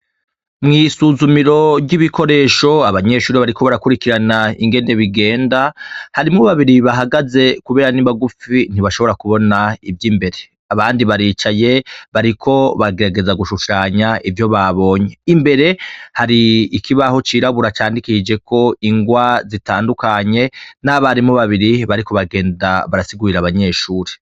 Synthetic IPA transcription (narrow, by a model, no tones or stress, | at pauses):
mŋiːsuːzumiɾo̞iβiko̞ɾe̞ːʃo̞aβaɲe̞ʃuːɾiβaɾiko̞βaɾakuɾikiɾanaḭŋɡe̞ne̞βiɡe̞ːndahaɾimŋoβaβiɾiβaɦaɡaze̞kuβe̞ːɾaniβaɡup͡ffin̥iβaʃo̞βo̞ɾakuβo̞naivjiːmbe̞ɾe̞ | aβaːndiβaɾiːt͡ʃaje̞βaɾikʰo̞βaɡe̞ɾaɡe̞zaɡuʃuʃaɲaʔivjo̞βaβo̞ːɲe̞imbe̞ɾe̞haɾiːkʰiβaho̞t͡ʃiɾaβuɾat͡ʃaːndikid͡ʒe̞ko̞iŋɡwazitaːndukaɲe̞naːβahaɾimoβaβiɾiβaɾiko̞βaɡe̞ːndaβaɾasiɡuɾiɾaβaɲe̞ːʃuːɾe